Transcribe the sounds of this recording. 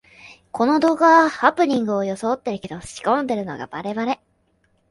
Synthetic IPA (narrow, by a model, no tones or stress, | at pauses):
kʰo̞no̞d̪o̞ːɡaβahapɯ̟ɲ̟ʲĩŋɡɯ̟o̞jo̞sot̪ːe̞ɾɯ̟ke̞d̪o̞ɕi̥kõ̞nd̪e̞ɾɯ̟no̞̰ɡa̰baɾe̞βaɾe̞